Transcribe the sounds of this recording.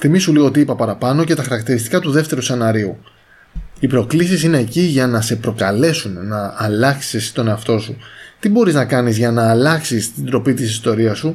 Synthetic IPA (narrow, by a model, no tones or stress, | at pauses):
θimisuliɣoot̪̬iipɐpɐɾɐpɐno̞ce̞t̪ɐxɐɾɐk̚t̪iɾist̪i̥kɐt̪uðe̞ft̪e̞ɾuse̞nɐɾiu | ipɾo̞klisisine̞ːciʝɐnɐse̞pɾo̞kɐle̞sunnɐːlɐksist̪o̞ne̞ɐft̪o̞sut̪ibo̞ɾiznɐkɐnizʝɐnɐːlɐksist̪ind̪ɾo̞pit̪isist̪o̞ɾiɐsu